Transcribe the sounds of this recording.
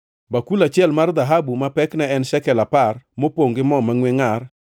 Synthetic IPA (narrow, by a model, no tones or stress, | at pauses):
bakulat͡ʃɪɛlmard̪aɦabumapɛknɛɛnʃɛkɛlaparmopoŋɡɪmɔmaŋweŋar